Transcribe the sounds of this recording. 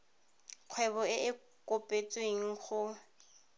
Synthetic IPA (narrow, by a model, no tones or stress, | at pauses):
q͡χʰwɛβɔɪʔɪ | kʼopʼet͡sʼweŋ̩χʊ